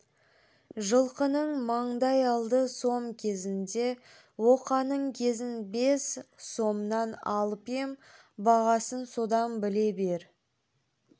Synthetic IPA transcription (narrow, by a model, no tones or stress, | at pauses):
ʒəlˠqənəɴmɑɴd̪ɑjɑlˠd̪əso̞mkʲʰe̞zɪnd̪e̞ | wo̞qɑnəɴkʲʰe̞zɪnbe̞sso̞mnɑnɑlˠpem | bɑʁɑsənso̞d̪ɑnbɪle̞be̞ɾ